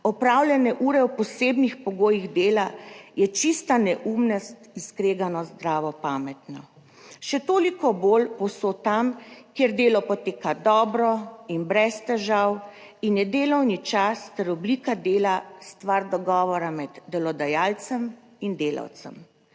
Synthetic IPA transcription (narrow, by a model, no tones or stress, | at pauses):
ɔpɾawlʲjɛnɛʔuːɾɛwpɔseːbnixpɔɡoːjiɣd̪eːlajɛt͡ʃist̪anɛʔuːmnast̪iskɾeːɡanɔzd̪ɾaːʋɔpaːmɛt̪nɔ | ʃɛt̪oːlikɔbolpɔwsot̪amkjeɾd̪eːlɔpɔt̪eːkad̪ɔːbɾɔinbɾɛst̪ɛʒaw | injɛd̪eːlɔwnit͡ʃast̪ɛɾɔbliːkad̪eːlast̪ʋaɾd̪ɔɡɔːʋɔɾamɛd̪ːɛlɔd̪ajaːlt̪sɛm | ind̪eːla̰wt̪sɛ̰m